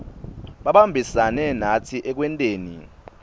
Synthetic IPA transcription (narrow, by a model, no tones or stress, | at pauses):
ɓaɓambʱisanɛnatʰiʔɛk̬wɛntʼeːnḭ